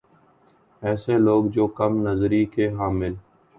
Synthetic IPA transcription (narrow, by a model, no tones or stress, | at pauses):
ɛːseloːɡd͡ʒoːkəmnəzɾikeɦaːmɪl